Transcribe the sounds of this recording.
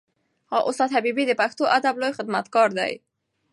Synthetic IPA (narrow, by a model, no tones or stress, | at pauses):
hɑʔʊst̪ɑt̪habibid̪əpaxt̪oʔad̪ablojxɪd̪mat̪kɑɾd̪a̰j